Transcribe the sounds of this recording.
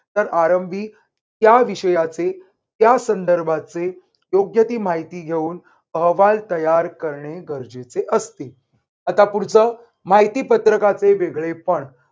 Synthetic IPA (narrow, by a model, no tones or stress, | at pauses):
t̪əɾaɾəmbʱiː | t̪jaʋiɕəjat͡se | t̪jasənd̪əɾbʱat͡se | joɡjət̪iːmaɦit̪iːɡʱeuːn | əɦʋalt̪əjaɾkəɾɳeɡəɾd͡ʑet͡seʔəst̪i | at̪apuɾt͡səː | maɦit̪iːpət̪ɾəkat͡seʋeɡɭepəɳ